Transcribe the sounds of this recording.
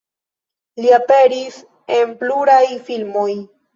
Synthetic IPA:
liapeɾis | empluɾajfilmoj

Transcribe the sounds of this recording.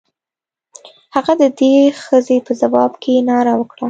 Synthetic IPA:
haɣad̪əd̪exəzepəzawɑbkʰenɑɾawəkɽa

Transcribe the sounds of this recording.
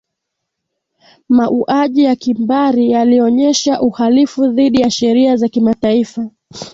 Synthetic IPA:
maʔuʔaʄijakimbaɾijaliɔɲɛʃaʔuhalifuðiɗijaʃɛɾiazakimataifa

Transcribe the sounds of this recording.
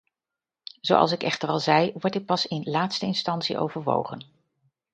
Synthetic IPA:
z̥o̰wʔɑ̰lˠs̬ɪkɛχtərɑlˠzɛjʋɔɹtɪt̚pɑsɪnlaːtstəɪnstɑntsḭʔo̰wvəɹʋo̰wχə̰n

